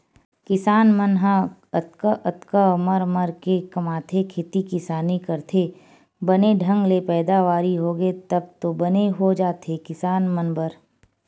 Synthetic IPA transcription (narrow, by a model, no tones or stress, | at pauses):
kɪsaːnmənɦãət̪kəʔət̪kəməɾməɾkekɐmaːt̪ʰekʰeːt̪ikɪsaːnikɐɾt̪ʰeː | bɐneɖʱə̃ŋɡlepɛːd̪aʋaːɾiɦoːɡet̪ɐb̚t̪obəneɦod͡ʒaːt̪ekɪsaːnmənbəɾ